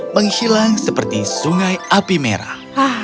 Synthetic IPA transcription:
məŋhilaŋsəpərt̪isuŋajapimḛɾa̰ | a

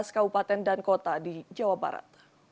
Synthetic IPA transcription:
skabupat̪ɛndankot̪adid͡ʒawaba̰ɾa̰t̪̚

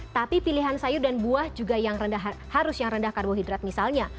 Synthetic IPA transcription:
t̪apipiliɦansajʊrdanbuahd͡ʒuɡajaŋrəndaɦhaɾʊsjaŋrəndahkarɡoɦidɾat̪̚misalɲa

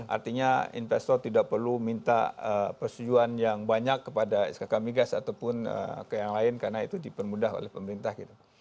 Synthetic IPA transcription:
ʔa̰rt̪iɲaḭnfɛst̪ɔrt̪idak̚pərlumint̪a̰əpərst̪ud͡ʒuanjaŋbaɲakːəpada̰skakamiɡasat̪awpʊnə̰kəjaŋlaɪnkaɾnaḭt̪udipərmudaɦo̰lɛhpəməɾint̪ahɡit̪u

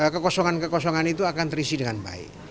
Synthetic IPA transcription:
kəkɔsɔŋankəkɔsɔŋanit̪uakant̪əɾisidəŋanba̰ɪ̰ʔ

